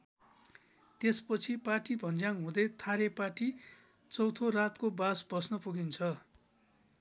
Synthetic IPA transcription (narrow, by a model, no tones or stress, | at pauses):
t̪espʌt͡sʰipaʈibʱʌnd͡zaŋɦũd̪ʌjt̪ʰaɾepaʈi | t͡sʌwt̪ʰorat̪kobasbʌsnʌpuɡint͡sʰʌ